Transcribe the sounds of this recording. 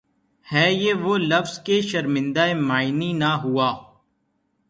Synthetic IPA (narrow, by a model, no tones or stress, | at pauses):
hɛːjeʋolɐfz̥keʃɐɾmɪ̃nd̪aːemaːɪninaɦuaː